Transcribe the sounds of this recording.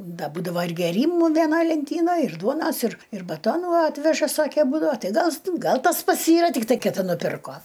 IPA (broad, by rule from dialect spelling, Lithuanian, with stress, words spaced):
ˈdɐ ˈbuːdɐʋɐ ɪr ɡʲeːˈrʲiːmʊ ʋʲɛˈnɐj lʲɛnʲˈtʲiːnɐj ɪr ˈduɔnɐs ɪr ɪr bɐˈtoːnuː ˈɑːtʲʋʲɛʒɐ ˈsɑːkʲɛ ˈbuːdɐʋɐ ˈtɐɪ ˈɡɐlˠ ˈɡɐlˠ ˈtɐs ˈpɐts ˈiːrɐ tʲɪkˈtɐɪ kʲɪˈtʲɪ nʊˈpʲɪrkoː